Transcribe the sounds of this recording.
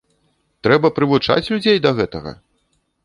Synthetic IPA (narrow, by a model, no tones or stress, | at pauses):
t̪ɾɛbɐpɾɨvut͡ʂa̰t͡sʲlʲud͡zʲejd̪ɐɣɛt̪ɐɣɐ̰